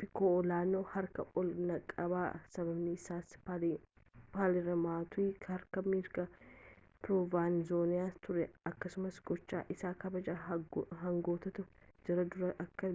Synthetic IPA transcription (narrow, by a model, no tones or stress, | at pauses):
pɪkoːɔlaːnoːhɐɾkɐ̰ʔɔlnɐkʼːɐbaːsɐbɐbnɪɪsaːs | paːlɪɾɐmaːt̪ʊiːkɐɾkɐmiːɾɡɐ | pɾɔvaːnzoːnɪjaːst̪ʊɾɛɐkːɐsʊmɐsɡɔt͡ʃːa̰ːʔɪsaːkɐbɐd͡ʒaːɦɐŋɡo̞ːt̪ɐt̪ʊd͡ʒɪɾɐd̪ʊɾɐɐkːɐ